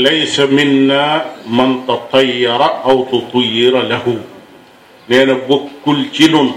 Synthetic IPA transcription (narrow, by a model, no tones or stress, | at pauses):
lajsamɪnːaːmant̪ɑt̪ˤʰɑjːɑɾˤɑʔawt̪ʊt̪ˤʊjːɪɾlahu | nɛːnabokːʊlt͡ʃilʊn